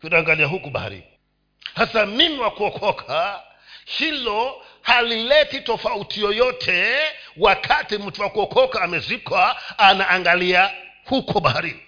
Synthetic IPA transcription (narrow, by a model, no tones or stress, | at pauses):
kunaːŋɡaliaɦukuɓa̰a̰ɾḭ | hasamimiwakuɔkʰɔkʰa | hilɔ | halilɛtitɔfautʰijɔjɔtʰɛwakʰatim̩tuwakuɔkʰɔkaːmɛzikwaːnaʔːŋɡalia | hukɔɓaaɾi